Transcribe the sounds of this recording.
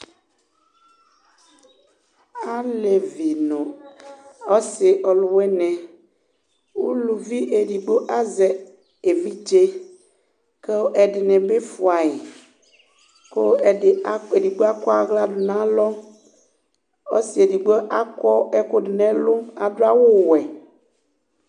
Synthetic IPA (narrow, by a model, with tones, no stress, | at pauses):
a˦le˨vi˨nõ˨ | ɔ˦se˨ʔɔ˨lʊ˨wɛ˦nɛ̃˨ | wu˦lu˨vi˦ʔe˨di˨ɡ͡bo˦ʔa˦zɛ˨ | e˨vi˦d͡ʒe˦ | ke˦wo˦ʔɛ˨dɪ˨nɛ̃˨be˦fu˨a˨e˨ | ko˦˨˦e˨di˨ɡ͡bo˦a˦kɔ˦a˨ɣla˦du˨nã˦lɔ˦ | o̰˦si˨e˨di˨ɡ͡bo˦ʔa˦kɔ˦ɛ˦ko˦ɖɪ˨nɛ̃˨lo˦a˨do˦a˦wo˦˨wɛ˨